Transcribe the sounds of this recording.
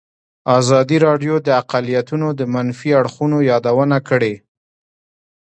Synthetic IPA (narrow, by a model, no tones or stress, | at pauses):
ɑzɑd̪iɾɑɖjod̪əaqalijat̪unod̪əmanfiaɽxunojɑd̪awənakəɽe